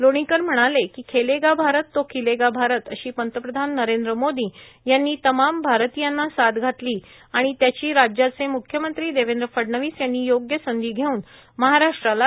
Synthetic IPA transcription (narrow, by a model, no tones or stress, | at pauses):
loɽ̃ikəɾm̤əɽ̃alekiːkʰeleɡabʱaɾət̪ːokʰileɡabʱaɾət̪əɕiːpənt̪əpɾəd̪ʱanːəɾend̪ɾəmod̪iː | janːiːt̪əmambʱaɾt̪ijanːasad̪ɡʱat̪liː | aɽ̃it̪jat͡ɕiːɾad͡ʑjat͡semukʰjəmənt̪ɾiːd̪eʋend̪ɾəfəɽɳəʋiːsjanːiːjoɡjəsənd̪iːɡʱeuːn | məɦaɾaʂʈɾala